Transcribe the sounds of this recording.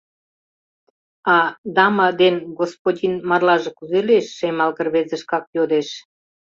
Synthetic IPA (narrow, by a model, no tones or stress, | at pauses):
ɑd̪ɑmɑd̪enɡospodʲinmɑrlɑʒĕkuzeleʃːemɑlɣə̆rβezə̆ʃkɑk̚jod̪eʃ